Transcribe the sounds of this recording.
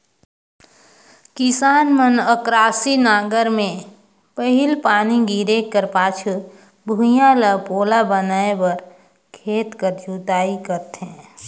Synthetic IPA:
kɪsaːnmənəkɾaːsinaːɡəɾmẽ | pəɦɪlpaːniɡiɾekːəɾpaːt͡ʃʰu | bʱujãləpoːlabənaːebəɾ | kʰeːt̪kəɾd͡ʒuːt̪aːikəɾt̪ɦɛ̃ː

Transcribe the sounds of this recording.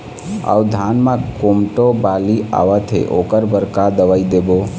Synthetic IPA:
a̰ud̪ʱanmẽkomʈobalia̰ʋət̪ʰɦḛʔokəɾbəɾkad̪əʋaid̪ebo

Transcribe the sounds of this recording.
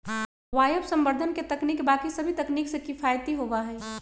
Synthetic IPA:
ʋaːjəbsə̃mbəɾd̪ʱənket̪ɐkniːkbakisəbʱit̪ɐkniːksekɪpʰajt̪iɦobaɦɛː

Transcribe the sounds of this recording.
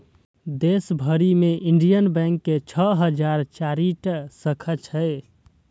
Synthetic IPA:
d̪esbʱəɾimeʔiɳɖijənbɛ̃ŋkːet͡ʃʰəɦəd͡ʒaɾt͡ʃaɾiʈsəkʰət͡ʃʰəj

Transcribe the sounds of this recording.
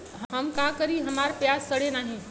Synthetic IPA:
ɦɦɐmkãːkəɾiɦɐmaːɾpjaːzsɐɽenaːɦĩ

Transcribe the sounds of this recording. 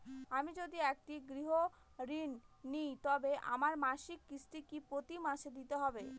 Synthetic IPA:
amid͡ʑod̪iɛk̚ʈiɡɾiɦo | ɾinːijt̪ɔbeʔa̰maɾmaʃikːisʈikipɾot̪imaʃed̪it̪eɦɔbe

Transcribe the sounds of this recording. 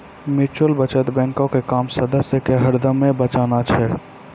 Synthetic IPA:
mɪt͡ʃəlbət͡ʃət̪bɛ̃ːŋkõkekaːmsəd̪əsjəkeɦəɾd̪əmːẽbət͡ʃaːnat͡ʃʰɛ

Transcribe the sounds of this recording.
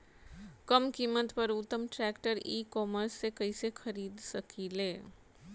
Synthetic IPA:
kɐmkimːət̪pəɾʊt̪ːəmʈɾɛːkʈəɾiːkɔːməɾsːekɐisexɐɾiːd̪sɐkʰileː

